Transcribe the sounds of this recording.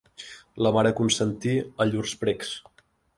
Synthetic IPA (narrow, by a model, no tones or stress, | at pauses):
ləmaɾəkunsənt̪iəʎurspɾɛks